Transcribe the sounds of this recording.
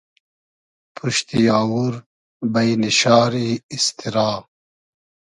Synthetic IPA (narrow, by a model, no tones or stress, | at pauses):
pʰuʃt̪ijaːwuɾ | bɐjniɕaːɾiːst̪ʰiɾaːm